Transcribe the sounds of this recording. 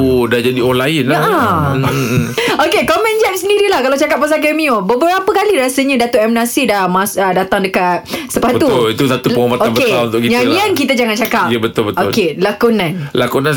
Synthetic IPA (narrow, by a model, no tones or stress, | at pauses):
dad͡ʒadiɔnlainla | okekomɛ̃nd͡ʒamsəndiɾilahkalawt͡ʃakap̚ːas̬akemiobəbəɾapəkalidɾasəɲãdat̪oʔɛmnasidamasədat̪aŋdəkat̪səpabəuʊlit̪usat̪upəɔmatoanbkəet̪aunt̪ʊʔkitɲaiankit̪ad͡ʒaŋant͡ʃakapjəbət̪ʊlbətokelakunãnlakunãn